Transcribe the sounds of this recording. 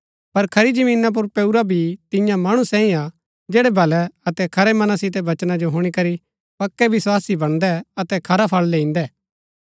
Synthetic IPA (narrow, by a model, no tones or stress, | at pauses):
pɐɾkʰɐɾid͡ʒɐmĩːnap̬ʊɾpɛuɾabʱit̪ɪ̃jãmaːɽ̃usɛ̃ːĩa | d͡ʒɛːɽɛbʱɐlɛɐt̪ɛkʰɐɾɛmɐnasɪt̪̬ɛbɐt͡ʃnad͡ʒoɦoɽ̃ikɐɾi | pɐkːɛʋɪswaːsibɐɽ̃d̪ɛɐt̪ɛkʰɐɾapʰɐɭleɪ̃ːnd̪ɛː